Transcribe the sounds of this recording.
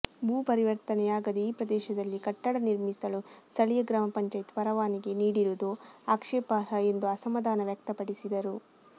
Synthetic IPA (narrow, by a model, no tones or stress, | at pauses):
buːpɐɾiʋɐɾt̪ɐnɛjaːɡɐd̪eiːpɾɐd̪ɛːʃɐd̪ɐlːikɐʈːɐɽɐniɾmisɐlust̪ɐɭijɐɡɾaːmɐpɐɲt͡ʃɐjt̪pɐɾɐʋaːniɡe̞niːɽiɾud̪uaːkʂɛːpaɾɐe̞nd̪uɐsɐmɐd̪ʱaːnɐʋjɐk̚t̪ɐpɐɽisid̪ɐɾu